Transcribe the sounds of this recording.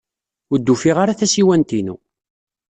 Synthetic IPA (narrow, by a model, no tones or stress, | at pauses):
ʊɾd̪ːufiʁaɾaθæsiwænt̪inṵ